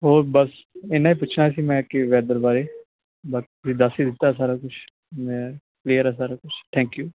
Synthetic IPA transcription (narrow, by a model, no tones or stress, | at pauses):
ɦoːbəs | enaːiːpʊt͡ʃʰnaːsiːmɛ̃ːkɪʋɛːd̪əɾbaːɾeː | baːkːt̪ʊsiːd̪asiːd̪ɪt̪ːaːsaːɾaːkʊt͡ʃʰ | mɛ̃ | kliːəɾaːsaːɾaːkʊt͡ʃʰt̪ʰɛ̃ːŋkjuː